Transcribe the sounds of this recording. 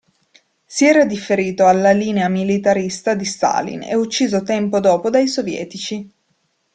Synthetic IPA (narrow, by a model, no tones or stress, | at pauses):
siɛːɾad̪ifːeɾiːt̪oalːaliːneamilit̪aɾist̪ad̪ist̪a̰lḭnɛ̰ut͡ʃːiːzot̪ɛmpod̪ɔːpod̪ajsovjɛ̰ːt̪it͡ʃi